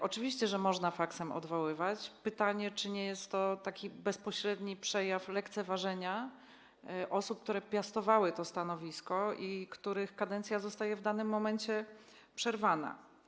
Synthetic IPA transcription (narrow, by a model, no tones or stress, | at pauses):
ʔɔt͡ʂɘvʲiɕt͡ɕɛʐɛmɔʐnafaksɛmɔ̰d̪vɔwɘvat͡ɕpɘt̪aɲɛt͡ʂɘɲɛjɛst̪ːɔt̪akʲibɛspɔɕɾɛd̪ɲipʂɛjaflɛkt̪sɛvaʐɛɲa | ʔɔsup̚kt̪uɾɛpʲjast̪ɔvawɘt̪ɔst̪anɔvʲiskɔikt̪uɾɘxkad̪ɛnt̪sʲjazɔst̪ajɛvd̪anɘmːɔmɛnt͡ɕɛ | pʂɛɾvana̰